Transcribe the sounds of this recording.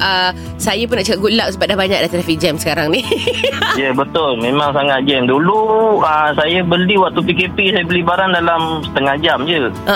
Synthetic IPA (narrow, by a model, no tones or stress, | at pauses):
ʔə | sajapʊnːaʔt͡ʃəkat̪̚ɡulaʔ̚səbat̪̚dahbaɲa̰k̚dat̪ɾafid͡ʒɛmsə̥kaɾaŋni | jəbət̪ʊlmẽmaŋsaŋat̪̚d͡ʒɛmduluəsajabəliwak̚t̪upikepisajabəlibaɾandalamsə̥t̪əŋahd͡ʒamd͡ʒəʔə